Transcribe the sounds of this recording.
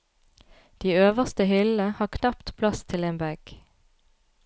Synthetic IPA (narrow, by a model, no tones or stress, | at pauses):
d̪̥iːøːʋəʁst̪əhʏləhɑːkʰnɑpt̪pʰlɑst̪ʰɪleːnbæɡ̥